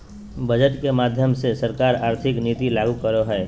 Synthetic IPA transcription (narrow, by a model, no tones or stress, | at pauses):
bəd͡ʒəʈkemaːd̪ʱjəmsesəɾkaːɾaːɾt̪ʰɪkniːt̪ilaːɡukəɾoɦɛː